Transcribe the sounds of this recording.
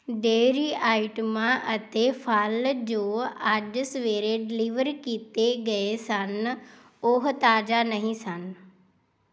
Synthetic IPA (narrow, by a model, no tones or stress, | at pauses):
ɖeːɾiaːɪʈmãʔɐt̪efʰaːld͡ʑoːaʄsʋeːɾeɖɪliːʋəɾkit̪eɡɐesən | oɦt̪aːd͡ʒanɐɦĩsən